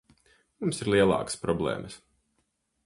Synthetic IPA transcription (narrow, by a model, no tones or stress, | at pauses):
mumsiɾlˠiɛlˠɑ̰ːkə̥spɾɔblˠɛ̰ːmʔəs